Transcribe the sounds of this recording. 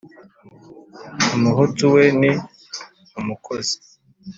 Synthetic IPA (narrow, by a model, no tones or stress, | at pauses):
umuɦutuweni | umukʰozi̥